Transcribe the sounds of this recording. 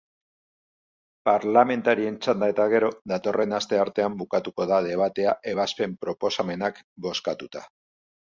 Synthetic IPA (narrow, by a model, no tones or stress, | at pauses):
paɾlame̞nt̪aɾie̞nt͡sand̪ae̞t̪aɣ̞e̞ɾo̞ðat̪o̞re̞nast̪e̞aɾt̪e̞ambukat̪uko̞ðað̞e̞β̞at̪e̞aʔe̞β̞aspe̞mpɾo̞po̞same̞nakbo̞skat̪ut̪a